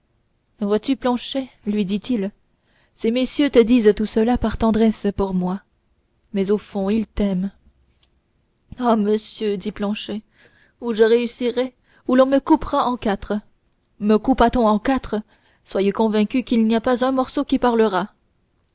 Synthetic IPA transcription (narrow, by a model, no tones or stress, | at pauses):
vwat̪yplɑ̃ʃɛlɥid̪it̪il | semesjøt̪əd̪izt̪usəlapaʁt̪ɑ̃d̪ʁɛspuʁmwa | mɛzofɔ̃ilt̪ɛm | aməsjød̪iplɑ̃ʃɛ | uʒəʁeysiʁɛ | ulɔ̃məkupʁaʔɑ̃kat̪χə | məkupʁat̪ɔ̃ɑ̃kat̪χə | swajekɔ̃vɛ̃kʲykilniapazɛ̃mɔʁsokʲipaʁləʁa